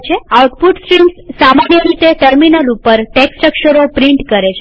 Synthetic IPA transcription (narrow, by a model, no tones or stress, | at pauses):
t͡ʃʰeauʈpuʈsʈɾimssamanjəɾit̪eʈəɾminəlupəɾʈeksʈɾəkʃəɾopɾiɳʈkəɾet͡ʃʰe